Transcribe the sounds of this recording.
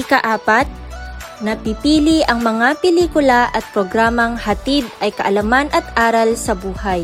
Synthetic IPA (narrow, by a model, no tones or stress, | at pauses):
ɪkɐʔaːpat̪̚ | nɐpipiːlɪʔɐŋmɐŋapɪliːkʊlaʔɐt̪̚pɾoɡɾaːmɐŋhɐt̪id̪̚ʔɐjkɐʔɐlamanʔɐt̪ʔaːɾɐlsɐbuːhaj